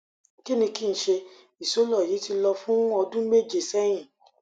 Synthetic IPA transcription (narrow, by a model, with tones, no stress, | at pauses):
ki˦nĩ˧ki˦n̩˨˦ʃe˧ | i˨so˦lɔ˦˨ji˨˦ti˧lɔ˧fũ˦ɔ˧dũ˦me˦˨d͡ʒe˨sɛ˦j̃ĩ˦˨